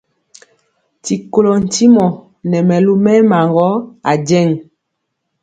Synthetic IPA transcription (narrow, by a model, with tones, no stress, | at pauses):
ti˨ko˨lo˨n̩˨ti˦mɔ˨ | nɛ˨mɛ˨lu˦mɛ˦ma˨ŋɡɔ˦a˨d͡ʒɛ˦˨ŋ